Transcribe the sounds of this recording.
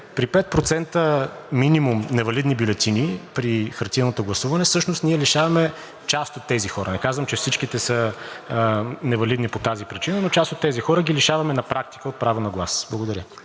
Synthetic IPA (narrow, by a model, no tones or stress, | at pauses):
pɾipɛt̪̚pɾot̪sɛnt̪ə | minimumnɛvɐlid̪nibjulɛt̪inipɾixɐɾt̪inot̪oɡlˠɐsuvɐnɛsɤʃnost̪niɛliʃavɐmɛ | t͡ʃast̪ot̪ːɛzixɔɾʔənɛkazvəmt͡ʃɛfsit͡ʃkit̪ɛsə | nɛvɐlid̪nipot̪azipɾit͡ʃinənot͡ʃast̪ot̪ːɛzixɔɾəɡiliʃavɐmɛnɐpɾʔak̚t̪i̥kəot̪̚pɾavonɐɡlˠasblˠɐɡod̪ɐɾʲjə